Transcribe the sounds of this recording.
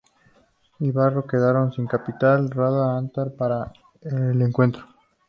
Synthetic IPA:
iβaro̞ke̞ðaɾo̞nsiŋkapit̪alraðaant̪aɾpaɾa | eleŋkwe̞nt̪ɾo

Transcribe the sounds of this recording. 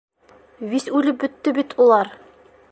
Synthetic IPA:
βisʉlɘp̚bɵ̆t̪ːɘbit̪ʰulˠɑɾ

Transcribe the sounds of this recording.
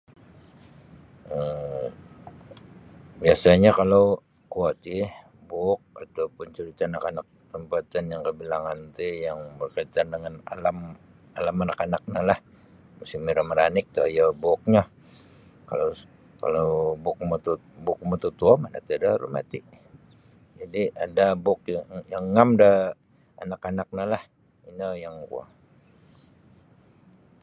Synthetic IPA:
ə | biasaɲakalaw | kuat̪i | buk̚at̪awpʊnt͡ʃuɾit̪aːnakanak̚t̪əmpat̪anjaŋkəbilaŋant̪ujaŋbərkərt̪andəŋana̰lam | alamanakanak̚ɲalah | musimiɾaməɾanɪk̚t̪ujabʊk̚ɲa | ka̰lo | ka̰lobʊk̚mut̪u | bʊk̚mat̪ut̪uamana̰t̪uadaɾṵma̰t̪iʔ | d͡ʒadiadabʊk̚jaŋjaŋːamda | a̰nakanak̚nalah | inəjaŋkṵa̰

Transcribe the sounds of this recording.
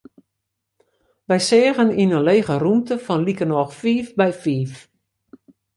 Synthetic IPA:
ʋɛjsɪːɣəninənleːɣərumtəfɔnlikənɔxfiːfbɛjfiːf

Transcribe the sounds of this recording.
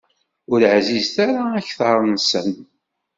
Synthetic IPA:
ʊɾʕzizθaɾaːçθɑɾˤnsə̰n

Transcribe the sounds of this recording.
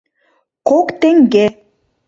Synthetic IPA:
kokt̪eŋɡe

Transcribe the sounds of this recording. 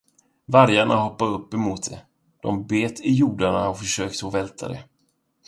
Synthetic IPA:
vaɾjaɳaɦɔpːaɾɵpːɛmuːt̪̚d̪ɛ̰ | d̪̥ɔmbeːt̪ʰɪjuːɖaɳaɔfœʂøːk̚t̪əɔvɛlt̪ʰa̰d̪ɛ̰

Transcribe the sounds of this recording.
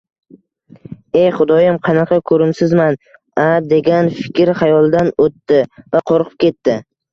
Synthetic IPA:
ejχʊd̪ɒjamqʰɑnɑqʰɑkʰɵɾɪmsɪzman | ad̪e̞ɡʲanfɪ̥kʲɾhajɒlˠd̪anot̪ːɪvaqʰoɾqʰɨ̥p̚kʲe̞t̪ːɪ

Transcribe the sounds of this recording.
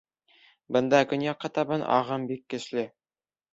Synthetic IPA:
bɤ̆nd̪ɑkɵ̆njɑqːɑt̪ɑbɤnʔɑ̰ʁɤmbikːɘ̆ʃlɘ

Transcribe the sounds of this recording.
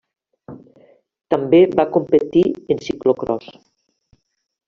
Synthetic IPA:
t̪ambeβakompət̪iensiklokɾɔs

